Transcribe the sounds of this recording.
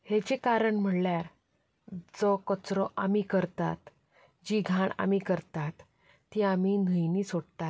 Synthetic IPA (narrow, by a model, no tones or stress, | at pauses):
het͡ɕekaɾəɳm̤əɽljaɾ | d͡zɔkət͡sɾɔʔamikəɾt̪a̰t̪ | d͡ʑiɡʱãɳa̰mikəɾt̪at̪ː | iːaminəjniːsoɽt̪at̪